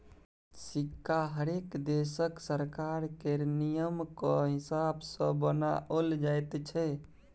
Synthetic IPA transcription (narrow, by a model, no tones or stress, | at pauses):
sikʰːaɦəɾekd̪esəksəɾkaɾkeɾnijəmkəɦisabsə̃bəna̰ʔold͡ʒajt̪t͡ʃʰɛ